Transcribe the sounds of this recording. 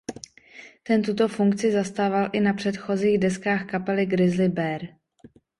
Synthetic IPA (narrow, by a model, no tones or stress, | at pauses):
t̪ɛnt̪ut̪ofuŋkt͡sɪzast̪aːvalʔɪnapr̝̥ɛt̪xo̞ziːɣdɛskaːxkapɛlɪɡɾɪzlɪbɛɾ